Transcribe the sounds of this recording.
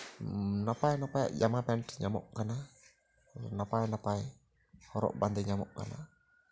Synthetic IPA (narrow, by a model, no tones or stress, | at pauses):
napainapaja̰ʔd͡ʒamapɛntɲamɔ̰ʔkana | napainapai | hɔɾɔ̰ʔband̪ɛɲamɔ̰ʔka̰na̰